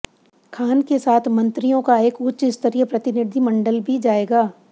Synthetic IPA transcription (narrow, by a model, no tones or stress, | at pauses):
kʰaːnkesaːt̪ʰmɐ̃nt̪ɾijõkaeːkʊtːʃɪst̪əɾijəpɾɐt̪ɪnɪd̪ʱimɐ̃ɳɖəlbʱid͡ʒaːeːɡaː